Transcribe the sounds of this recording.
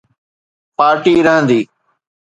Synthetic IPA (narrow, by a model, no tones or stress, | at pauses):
paːɾʈiːɾəɦə̃nd̪iː